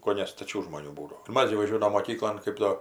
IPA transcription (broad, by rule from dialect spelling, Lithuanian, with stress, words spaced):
koːˈnʲɛ stɐˈt͡ʃʲuː ʒmoːˈnʲuː ˈbuːdoː ɪr ˈmɐs ɡʲɪ ʋɐˈʒʲuɔdɐʋoːm moːˈkʲiːklˠoːn ˈkɜp doː